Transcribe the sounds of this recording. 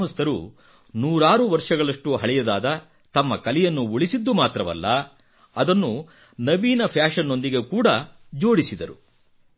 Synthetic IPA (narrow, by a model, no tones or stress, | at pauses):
ɦɐst̪ɐɾṵ | nuːɾaːɾuʋɐɾʂɐɡɐɭɐʂʈuɦɐɭɛjɐd̪aːd̪ɐ | t̪ɐmːɐkɐlijɐnːuuɭisid̪ːumaːt̪ɾɐʋɐ̰lːɐ | ɐd̪ɐnːu | nɐʋiːnɐpʰjaːʂɐnːo̞nd̪iɡe̞kuːɽɐd͡ʒo̞ːɽisid̪ɐɾu